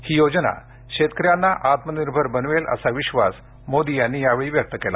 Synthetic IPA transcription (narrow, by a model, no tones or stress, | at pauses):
hiːjod͡ʑna̰ | kɕet̪ə̥kɾjanːaʔat̪məniɾbʱəɾbənʋelʔə̰saʋiɕʋa̰s | mod̪ijanːiːjaʋeɭiːʋjək̚t̪əkela̰